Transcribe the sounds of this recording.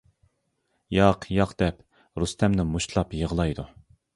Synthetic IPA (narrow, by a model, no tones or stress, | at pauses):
jɑqʰjɑqd̪̥ɛp | ɾust̪ʰɛmnɪmuʃlˠɑpjəʁlˠɑjd̪u